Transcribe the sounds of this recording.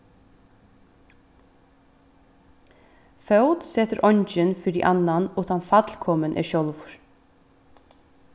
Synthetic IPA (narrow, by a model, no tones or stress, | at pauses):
fœwt̪sɛːt̪əɾʔɔɲt͡ʃɪnfiːɾd̪ḭʔanːanuːt̪ant̪fat̪lkʰɔmənʔɛ̰ʃjɔlvʊɹ̥